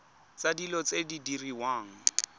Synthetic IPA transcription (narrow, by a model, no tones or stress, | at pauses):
t͡sadilɔt͡sedidiriwaːŋ̩